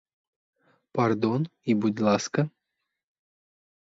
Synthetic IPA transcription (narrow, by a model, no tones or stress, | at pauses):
pard̪onibud̪ʲlˠaskə